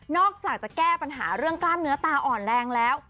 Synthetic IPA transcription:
nɔː˥˩k̚t͡ɕaː˨˩k̚t͡ɕa˨˩kɛː˥˩pa˧nɦa̰ː˩˦ɾɯ˥˩əŋklaː˥˩nːɯ˦˥ɐt̪aː˧ʔɔː˨˩nlɛː˧ŋlɛː˦˥w

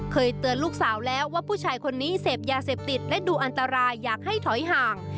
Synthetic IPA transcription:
kʰɤː˧jt̪ɯ˧ənluː˥˩k̚saː˩˦wlɛː˦˥wːaː˥˩pʰuː˥˩t͡ɕʰaː˧jkʰo˧nːiː˦˥seː˨˩p̚jaː˧seː˨˩p̚t̪i˨˩t̪̚lɛ˦˥duː˧ʔa˧nt̪a˧ɾaː˧jːaː˨˩k̚ha˥˩jt̪ʰɔ˩˦jɦaː˨˩ŋ

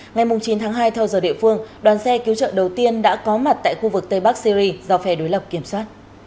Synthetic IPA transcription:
ŋa˨˩jmʊ˨˩ŋ͡mt͡ɕi˨˦nt̪ʰaː˨˦ŋɦaː˧jt̪ʰɛ˧wzəː˧˩ɗḭ˧˨əfɨ˧əŋɗwaː˨˩nsɛ˧ki˨˦wt͡ɕə̰ː˧˨ɗə˨˩wt̪i˧ənɗa̰ː˧˥kɔ˨˦ma˨˩t̚t̪a̰ː˧˨jxu˧vɨ˨˩k̚t̪ə˧jɓa˦˥k̚si˧ɾi˧za˧wfɛ˧˩ɗo˨˦jlə˨˩p̚ki˧˩əmswaː˦˥t̚

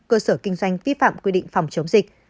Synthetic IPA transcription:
kəː˧səː˧˩kï˧ŋ̟zwa˧jŋ̟vi˦˥fa̰ː˧˨mkwi˧ɗḭ̈˧˨ŋ̟fa˨˩wŋ͡mt͡ɕə˨˦wŋ͡mzï˨˩k̟̚

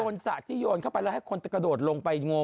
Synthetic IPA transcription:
oː˧nsa̰˨˩t̪ʰːiː˥˩joː˧nkʰa˥˩wpa˧jlɛ˦˥˩ha˥˩jkʰo˧nt̪a˦˥˩ka˧doː˨˩t̪̚lo˧ŋpa˧jŋo˧

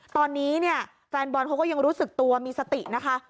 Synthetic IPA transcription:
t̪ɔː˧nːiː˦˥ni˥˩ɐ | fɛː˧nbɔː˧nkʰa˦˥wkɔː˥˩ja˧ŋɾuː˦˥sɯ˨˩k̚t̪u˧ɐmiː˧sa˧t̪i˨˩na˦˥kʰa˦˥

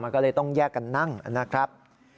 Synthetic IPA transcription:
maː˧nkɔː˥˩lɤː˧˩jt̪ɔ˥˩ŋjɛː˥˩kːa˧nːa˥˩ŋa̰˨˩na˦˥kʰɾa˦˥p̚

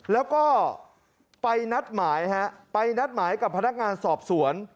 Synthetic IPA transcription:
lɛː˦˥wkɔː˥˩ | pa˧jna˦˥t̪̚maː˩˦jha˦˥ʔpa˧jna˦˥t̪̚maː˩˦jka˨˩pʰːa˧na˦˥k̚ŋaː˧nsɔː˨˩p̚su˩˦ən

